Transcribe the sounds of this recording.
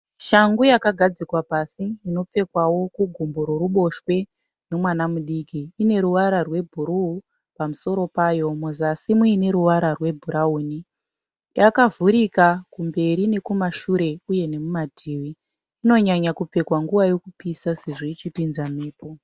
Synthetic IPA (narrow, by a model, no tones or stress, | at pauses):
ʃaŋɡujakaɡʱad͡zikwapasiino̞p͡fe̞kwawo̞kuɡʱumboɾoɾuɓo̞ʃwe̞ | no̞mwanamuɗikiːne̞ɾuʋaɾarwe̞bʱuɾuu | pamuso̞ɾo̞paːjo̞muzasimuine̞ɾuwaɾarwe̞bʱuɾauːni | jakavuɾikakumbe̞ɾine̞kumaʃuɾe̞uje̞ne̞mumadʱiːwiː | no̞ɲaɲakup͡fe̞kwaŋɡuʋajo̞kupisase̞ʐoit͡ʃipinzameːpo